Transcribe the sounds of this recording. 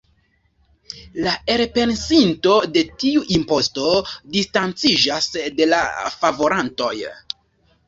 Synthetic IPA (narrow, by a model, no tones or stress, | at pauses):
lae̞ɾpe̞nsinto̞de̞tiuʔimpo̞sto̞distant͡sid͡ʒasde̞la̰favo̞ɾanto̞j